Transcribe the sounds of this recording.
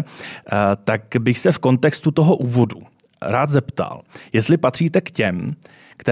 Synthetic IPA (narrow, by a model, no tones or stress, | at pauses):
t̪akbɪxsɛfko̞nt̪ɛkst̪ut̪o̞ɦo̞ʔuːvo̞du | ɾaːt̪zɛpt̪a̰ljɛst̪lɪpat̪r̝̥iːt̪ɛkcɛm | kt̪ɛ